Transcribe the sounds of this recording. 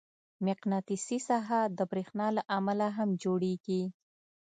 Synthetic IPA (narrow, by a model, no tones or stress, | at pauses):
mɪqnɑt̪isisaɦad̪əbɾexnɑlaʔamalaɦamd͡ʒoɽeɡi